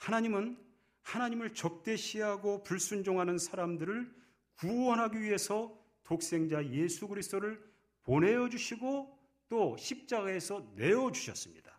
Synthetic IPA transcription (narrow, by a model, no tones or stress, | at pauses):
hanaɲimɯn | hanaɲimɯɭt͡ɕʌk̚t͈e̞ɕʰiɦaɡopuɭs͈und͡ʑoŋɦanɯnsʰaɾamdɯɾɯɭ | kuwʌnɦaɡiɥiɦe̞sʰʌ | tok̚s͈e̞ŋd͡ʑajesʰuɡɯɾisʰt͈oɾɯɭ | ponɦe̞jʌd͡ʑuɕʰiɡo | t͈oɕʰip̚t͡ɕ͈aɡae̞sʰʌne̞ʌd͡ʑuɕʰʌs͈ɯmɲid̥ḁ